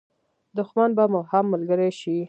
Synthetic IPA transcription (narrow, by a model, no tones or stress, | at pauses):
d̪ʊxmanbamʊhamːalɡəɾajʃi